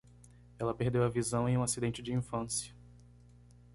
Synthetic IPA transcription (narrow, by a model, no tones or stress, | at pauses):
ɛlɐpeɾd̪ewɐvizɐ̃w̃ẽj̃ũasid̪ẽnt͡ʃɪd͡ʒɪĩfɐ̃sjɐ